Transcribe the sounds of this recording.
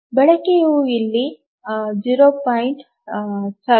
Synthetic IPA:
bɛɭɐkejuilːi | d͡ʒiːɾoːpaːjɳʈ | sɐ

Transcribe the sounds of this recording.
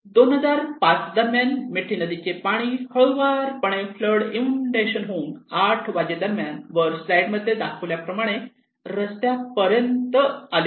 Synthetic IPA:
d̪onɦəd͡zaɾpat͡sd̪əɾmjanmeʈʰinəd̪it͡ɕepaɽ̃ihəɭʋaɾpəɽ̃efləɽimɳɖeɕənɦoːŋɡaʈʰʋad͡ʑed̪əɾmjanʋəɾslajɽməd̪ʱːjed̪akʰəʋljapɾəmaɽ̃e | ɾəst̪japəɾjənt̪əale

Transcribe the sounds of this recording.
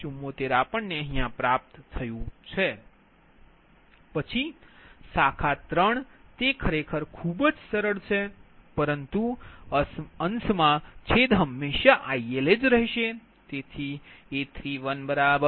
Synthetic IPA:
umːot̪eɾapəɳneəɦijãpɾap̚t̪ːʰəjũt͡ʃʰe | pət͡ʃʰisakʰat̪ɾəɳt̪ekʰəɾekʰəɾkʰubəd͡ʒsəɾəɭt͡ʃʰepəɾənt̪u | ənsmãt͡ʃʰed̪ɦəmːeʃaʔaieled͡ʒɾəɦiʃe | t̪et̪ʰiet̪ʰɾiʋənbəɾabə

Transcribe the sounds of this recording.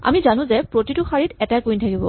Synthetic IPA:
a̰mizanʊ̃zɛpɹotitʊxaɹitɛtajkujntʰakibɔ̰

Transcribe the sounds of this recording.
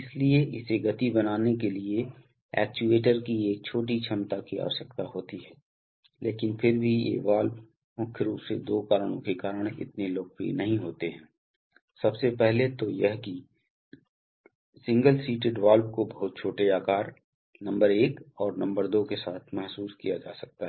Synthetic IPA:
ɪslieʔɪseɡɐt̪ibɐnaːnekelie | ɛ̰ːk̚t͡ʃueːʈəɾkieːk̚t͡ʃʰoːʈ̬it͡ʃʰɐmt̪akia̰ːʋəʃəkt̪aɦoːt̪iɦɛː | leːkɪnpʰɪɾbʱiḛːʋaːl | mʊkʰjɾuːpsed̪oːkaːɾəɽ̃õkekaːɾəɽ̃ɪ̰t̪neloːkfḭnɐɦĩɦoːt̪eɦɛ̃ː | sɐbsepɛɦlet̪ojɐɦki | sɪ̃ŋɡəlsiːʈeɖʋaːlbkobɐɦʊt̪̚t͡ʃʰoːʈeaːkaːɾ | nɐ̃mbəɾeːkɔːɾnɐ̃mbəɾd̪oːkesaːt̪ʰmɛɦsuːskijad͡ʒa̰ːsɐk̚t̪aɦɛ

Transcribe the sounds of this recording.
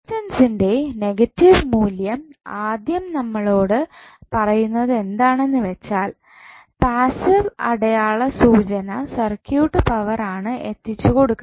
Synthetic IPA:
tɐnsinde̞ne̞ɡɐtːiʋmuːljɐmaːd̪jɐmnɐmːɐɭo̞ːɽɨ | pɐrɐjunːɐðe̞nd̪aːɳe̞nːɨʋet͡ɕːaːl | paːsiʋɐɽɐjaːɭɐsuːt͡ɕɐnɐsɐrkjuːʈːɨpɐʋɐraːɳɨʔe̞t̪ːit͡ɕːuko̞ɽukː

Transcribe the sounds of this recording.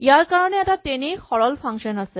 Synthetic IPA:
jaɾkaɾɔneɛtat̪enixɔɽɔlpʰaŋʃɔnase

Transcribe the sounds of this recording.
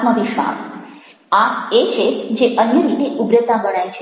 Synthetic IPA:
məʋiʃʋa̰s | aet͡ʃʰed͡ʒeʔənjəɾit̪eʔubɾət̪abəɽ̃ajt͡ʃʰe

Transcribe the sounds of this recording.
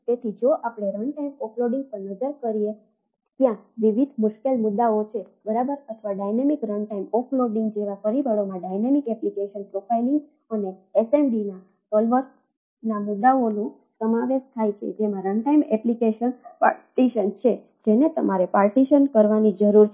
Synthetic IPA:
t̪et̪ʰid͡ʒoʔapɽ̃eɾəɳɖʈaimɔkloɖiŋɡ̚pəɾnəd͡ʒəɾkəɾije | t̪jãʋiʋid̪ʱmʊʃkelmʊd̪ːaot͡ʃʰebəɾabəɾət̪ʰʋaɖajnemikɾəɳʈaimɔkloɖiŋɡd͡ʒeʋafəɾibʱəɭomãɖajnemikɛplikeʃənpɾofʰajliŋɡ | əneeseɳɖina | sɔlʋəɾ | namʊd̪ːaonũ | səmaʋeʃt̪ʰajt͡ʃʰḛd͡ʒemãɾəɳʈajmɛplikeʃənpa̰ʈiʃənt͡ʃʰe | d͡ʒenet̪əmaɾepaɾʈiʃənkəɾʋanid͡ʒəɾuɾ

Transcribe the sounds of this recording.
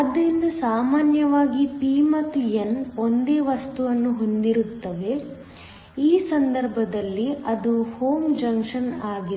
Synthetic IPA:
ɐd̪ːɐɾind̪ɐsaːmaːnjɐʋaːɡipiːmɐt̪ijɐno̞nd̪e̞ːʋɐst̪uʋɐnːuɦo̞nd̪iɾut̪ːɐʋe̞ | iːsɐnd̪ɐɾbʱɐd̪ɐlːiʔɐd̪uho̞ːmd͡ʒɐŋkʂɐnaːɡi

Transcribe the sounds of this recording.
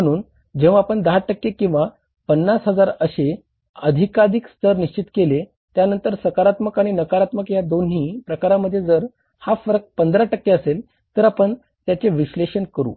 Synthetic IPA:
əɽ̃uːn | d͡ʑeʋaapəɳd̪əɦaʈəkːekĩw̃ʋa | pənːasɦəd͡zaɾəɕe | əd̪ʱikad̪ikst̪ʰəɾniɕt͡ɕit̪kele | t̪janənt̪əɾsəkaɾat̪məkaɽ̃inəkaɾat̪məkjad̪onɦiːpɾəkaɾaməd̪ʱːjed͡zəɾ | hafəɾk̚pənd̪ɾaʈəkːeəsel | t̪əɾapəɳ | t̪jat͡seʋiɕleɕənkəɾṵː

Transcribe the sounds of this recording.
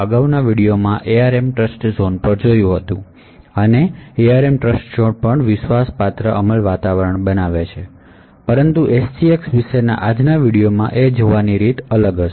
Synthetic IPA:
əɡaʋnaʋiɽijomãʔeaɾemʈɾəsʈzonpəɾd͡ʒojũɦət̪ũ | əneeaɾemʈɾəsʈzonpəɳʋɪʃʋaspat̪ɾəʔəməlʋat̪aʋəɾəɳbənaʋet͡ʃʰe | pəɾənt̪uʔessieksʋiʃena̰ʔad͡ʒnaʋiɽijomã̰ʔed͡ʒoʋaniɾit̪ʰələɡə

